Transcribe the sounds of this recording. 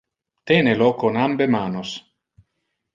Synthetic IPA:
t̪eːnelokonambemaːnos

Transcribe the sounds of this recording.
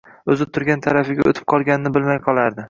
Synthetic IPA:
ɵzɪt̪ʰʊɾɡʲant̪ʰaɾafɪɡʲao̰t̪ʰɪ̥p̚qʰɒlˠɡʲanɪnɪbɪlmajqʰɒlˠaɾd̪ɪ

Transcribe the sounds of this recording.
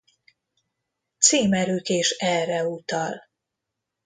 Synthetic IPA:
t̪seːmɛɾøːkeːʃɛrːɛut̪ɒl

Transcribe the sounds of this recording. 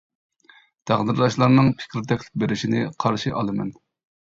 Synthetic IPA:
d̪̥ʰæʁnɨɾlˠɑʃlˠɑɾnɨŋpʰɪ̥kʲɾɪd̪ɛkʲʰlɪ̥k̚ʲbeɾɪʃinɪqʰɑɾʃiʔɑlˠɨmɛ̰n

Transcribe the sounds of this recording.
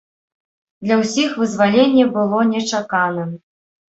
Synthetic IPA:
d̪lʲɐwsʲixvɨzvalʲenʲːɛbɨlˠɔnʲɛt͡ʂakanɐ

